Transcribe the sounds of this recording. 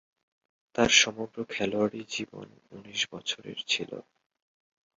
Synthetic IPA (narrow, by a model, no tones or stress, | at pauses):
t̪aɾʃɔmoɡɾokʰɛloaɽid͡ʑibo̰n | uniʃbɔt͡ɕʰoɾḛɾt͡ɕʰilo̰